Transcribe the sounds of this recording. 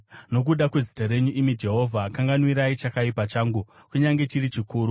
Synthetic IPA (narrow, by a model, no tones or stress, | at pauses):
no̞k̬uɗakwe̞zi̥taɾe̞ɲuʔimid͡ʒe̞ɦo̞vʱakaŋɡanwiɾait͡ʃakaipat͡ʃaːŋɡukuɲaŋɡe̞t͡ʃiɾit͡ʃikuːɾu